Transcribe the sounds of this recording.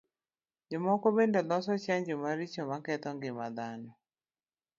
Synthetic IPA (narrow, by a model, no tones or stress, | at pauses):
d͡ʒomɔkobendɔlɔsɔt͡ʃaɲd͡ʒomaɾit͡ʃomakɛt̪ɔŋɡɪmad̪anɔ